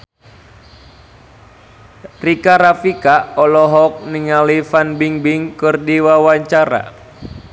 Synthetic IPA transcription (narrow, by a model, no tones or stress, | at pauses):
rikaɾafikaɔlɔɦɔk̚niŋalifanbiŋbiŋkɨrdiwawaɲt͡ʃaɾa̰